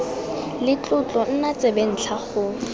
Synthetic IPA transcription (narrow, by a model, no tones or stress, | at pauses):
lɪt͡ɬʼʊt͡ɬʼɔn̩nat͡sʼeben̩t͡ɬʰaχʊ